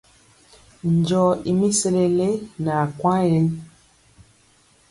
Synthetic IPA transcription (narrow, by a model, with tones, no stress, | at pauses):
n˨d͡ʒɔ˨i˨mi˦se˦le˨le˦na˨kwã˦jɛ˦l